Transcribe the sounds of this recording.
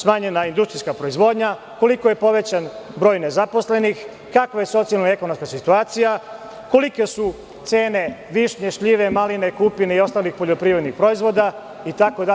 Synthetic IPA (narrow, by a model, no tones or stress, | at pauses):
smaːɲenaind̪ust̪ɾiskapɾo̞izʋo̞d̪ɲa | ko̞likoje̞po̞ʋe̞t͡ɕanbɾo̞ːjne̞zapo̞sle̞nix | kakʋaje̞so̞t̪sialnae̞ko̞nomskasit̪uaːt̪sija | ko̞like̞su | t̪se̞ːne̞ʋiʃɲeʃʎiʋe̞maline̞kupineio̞st̪aːlixpo̞ʎo̞pɾiːʋɾed̪nixpɾo̞izʋo̞d̪a | it̪ako̞d̪a